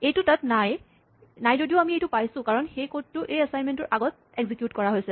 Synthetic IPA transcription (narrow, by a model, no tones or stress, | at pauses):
ejtʊtatnaj | najzodiʊamiejtʊpajsʊ̃kaɹɔnxejkot̚tːʊʔejasajnmɛntɔɹʔaɡɔt̚ | ɛɡzikjutkɔɹaɦojsɛ